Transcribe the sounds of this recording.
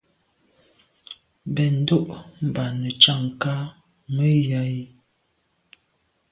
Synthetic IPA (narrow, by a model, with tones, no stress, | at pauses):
bɛ˨n̩˦do˦ʔm̩˨ba˨nə˨t͡ʃa˦˨ŋ˨ka˦ | mə˦ja˨˦i˦